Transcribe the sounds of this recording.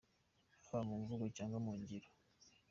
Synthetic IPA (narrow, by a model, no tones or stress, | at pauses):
aβamuːɱvuɡocaːŋɡamuːɲɟiɾo